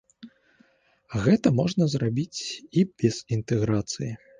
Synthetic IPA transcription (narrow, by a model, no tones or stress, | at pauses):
ɣɛt̪ɐmɔʐnɐzrabʲit͡sʲibʲɛz̥int̪ɛɣɾat̪sɨji